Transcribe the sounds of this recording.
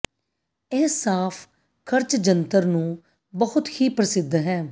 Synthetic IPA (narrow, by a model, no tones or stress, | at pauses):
ɛːsaːpʰ | kʰəɾt͡ʃd͡ʒənt̪əɾnũː | bəhʊt̪hiːpɾəsɪd̪ɦɛː